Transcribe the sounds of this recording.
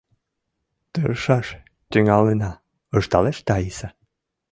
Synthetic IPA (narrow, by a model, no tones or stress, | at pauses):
t̪əɾʃɑʃ | t̪yŋɑlenɑ | əʃt̪ɑleʃt̪ɑjisɑ